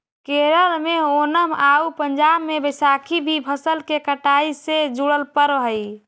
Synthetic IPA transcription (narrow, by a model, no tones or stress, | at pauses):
keɾəɾmeonəmaupəɲd͡ʒabmebəsakʰibʱibʰʱəsəlkekəʈaised͡ʒuɽəlpəɾɦəj